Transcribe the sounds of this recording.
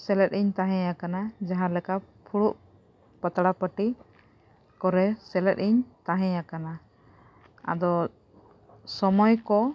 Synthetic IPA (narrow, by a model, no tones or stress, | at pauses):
sɛlɛt̪̚iɲt̪aɦɛ̃jakanad͡ʒaɦãlɛka | pʰuɽuʔ | pət̪aɽapəʈi | kɔɾɛsɛlɛt̪̚iɲt̪aɦɛ̃jakana | a̰d̪ɔ | sɔmɔjkɔ